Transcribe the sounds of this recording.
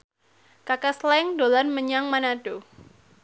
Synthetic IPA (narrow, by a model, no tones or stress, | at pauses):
kakaslɛŋdolanməɲaŋmanad̥o